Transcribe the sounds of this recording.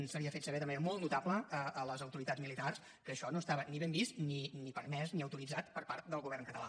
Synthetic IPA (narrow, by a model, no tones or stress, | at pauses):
nsəβiəfet̪səβɛðəməneɾəmɔlˠt̪nut̪apləəʔːləzəwt̪uɾit̪azmilit̪ars | kəːʃɔnoəst̪aβəniβembist̪ninipəɾmɛzniəwt̪uɾid͡zat̪pəɾpaɾt̪̚d̪əlˠɣuβɛrŋkət̪əla̰